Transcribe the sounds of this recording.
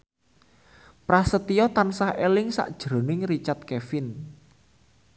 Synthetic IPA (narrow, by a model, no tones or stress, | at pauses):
pɾasət̪ijɔt̪ansahelɪŋsa̰ʔd̥ʒ̥ɾo̤nɪŋrit͡ʃart̪̚kɛfɪn